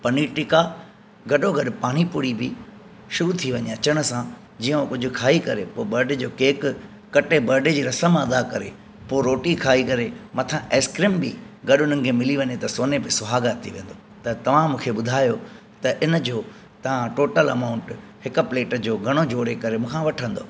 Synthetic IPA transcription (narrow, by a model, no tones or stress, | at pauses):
pɐniʈɪka | ɡɐɗoɡʱɐɗpaːɽ̃ipʊɽibɪ | ʃʊɾut̪ʰiʋɐɲeɐt͡ɕəɽ̃̆sã | d͡ʑiːə̃kʊd͡ʑʱʊ̆kʰaːikɐɾepoːbɐɾɖed͡ʑoːkeːk | kɐʈebɐɾɖed͡ʑiːɾɐsəmɐd̪akɐɾḛ | poːɾoːʈikʰaːikɐɾemɐt̪ʰãʔeːskɾimbḭ | ɡɐɗʊn̤ənɪ̆kʰemɪliʋɐɲet̪ɐsoːnebɪsʊɦaːɡat̪ʰiʋẽːn̆d̪o | t̪ɐt̪ɐʋ̤ãmũːkʰeɓʊd̪ʱaːjo | t̪ɐʔɪnd͡ʑoː | t̪ɐʋ̤ãʈoːʈəlɐ̰maːʊ̃ɳʈ | hɪkpleːʈd͡ʑoːɡʱɐɽ̃od͡ʑoːɾekɐɾemũːkʰãʋɐʈʰə̃nd̪o̰ː